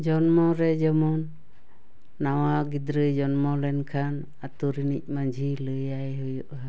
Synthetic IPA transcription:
d͡ʒɔnmɔɾɛd͡ʒɔmɔn | awaɡid̪ɾəd͡ʒɔnmɔlɛnkʰan | at̪uɾinḭc̚mad͡ʒʱilɯjajɦɔjɔʔɦa

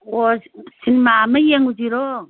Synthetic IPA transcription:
osinimamajeŋud͡ʒiɾo

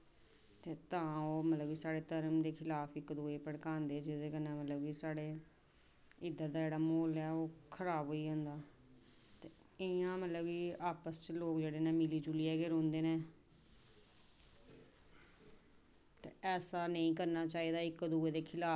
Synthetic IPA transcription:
t̪eːt̪ãːoːmət̪ləbiːsaːɽeːt̪əɾəmd̪eːkʰɪlaːpʰɪkːd̪uːeːpəɽkãːnd̪eːd͡ʒɪd̪eːkəneːmət̪ləbiːsaːɽeː | ɪd̪ːəɾd̪aːd͡ʒeːɽaːmoːlɛːoːkʰəɾaːbɦoːiːɦõːnd̪aː | t̪eː | ɪãːmət̪ləbiːaːpəst͡ʃəloːkd͡ʒeːɽeːnẽːmɪliːd͡ʒuliːɛːɡeːɾõːnd̪eːnẽː | t̪ḛːɛːsaːnəĩːkəɾnaːt͡ʃaːiːd̪aːɪkːd̪uːeːd̪eːkʰɪlaː

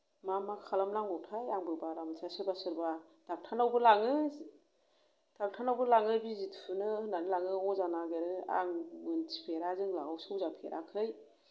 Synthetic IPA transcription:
mamakʰalamlaŋɔwtʰajaŋbɯbaɾamtʰasɯɾbasɯɾba | d̥ak̚tʰanawbɯlaŋɯ | d̥ak̚tʰanawbɯlaŋɯbizitʰpʰɯnɯnanɯlaŋɯɔzanaɡeɾɯa̰ŋmɯntʰi̥pʰeɾazɯŋla̰ɡawsɯwzapʰḛɾʔa̰kʰɯj

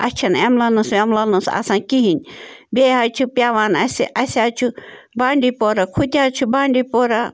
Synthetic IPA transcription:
ɐ̰t͡ʃʰɐnemlɐnɐsemlɐnɐsa̰sãːnkiɦinʲbʲeɦat͡ʃʰupʲjaːʋaːnɐsiʔɐsʲaːt͡ʃʰu | baːɳɖipoɾakʰut̪ʲaːt͡ʃʰubaːɳɖipoːɾa

